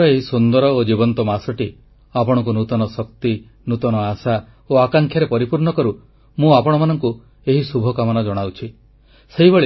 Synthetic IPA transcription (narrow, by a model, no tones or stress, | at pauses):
ɔeɦisund̪ɔɾɔod͡ʒibɔnt̪ɔmasɔʈi | apɔɽ̃ɔ̃ŋk̬unut̪ɔnɔsɔk̚t̪i | nut̪ɔnɔasa | oakaŋkʰjaɾepɔɾipuɾɳɔkɔɾu | mũapɔɽ̃ɔmanɔŋku | eɦisubʱɔkamɔnad͡ʒɔɽ̃awt͡ʃʰi | seɦibeɭi